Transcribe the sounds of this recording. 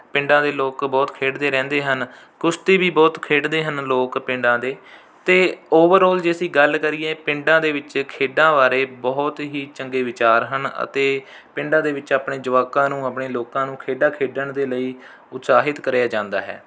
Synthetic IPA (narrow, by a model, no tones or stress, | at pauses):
pɪ̃ɳɖãːd̪eːloːkbɔːt̪kʰeːɖd̪eːɾɛ̃ːnd̪eːɦən | kʊst̪eːbiːbɔːt̪kʰeːɖd̪eːɦənloːkpɪ̃ɳɖãːd̪eː | t̪eːoːʋəɾɔːld͡ʒeːəsĩːɡəlkəɾiːɛːpɪ̃ɳɖãːd̪eːʋɪt͡ʃkʰeːɖãːʋaːɾeːbɔːt̪ɦiːt͡ʃəŋɡeːʋɪt͡ʃaːɾɦənə̰t̪eː | pɪɳɖãːd̪eːʋɪt͡ʃaːpɳeːd͡ʒəʋaːkãːnũːaːpɳeːloːkãːnũːkʰeːɖaːkʰeːɖəɳd̪eːləiː | ʊt̪saːɦɪt̪kəɾejaːd͡ʒãːnd̪a̰ːɦɛ̰ː